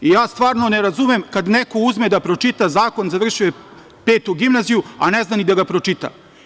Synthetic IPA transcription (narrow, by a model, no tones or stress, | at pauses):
ijaːst̪ʋaːɾnoneɾazumemkad̪nekouzmed̪apɾo̞t͡ʂit̪azaːko̞nzaʋr̩ʃuje | peːt̪uɡimnazijua̰neznanid̪aɡapɾot͡ʂit̪a̰